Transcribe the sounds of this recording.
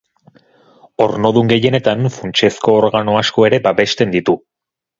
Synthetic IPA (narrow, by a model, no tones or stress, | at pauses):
o̞ɾno̞ðuŋɡe̞je̞ne̞t̪anfunt͡ʃe̞sko̞ːɾɣano̞asko̞e̞ɾe̞baβe̞st̪e̞nd̪it̪u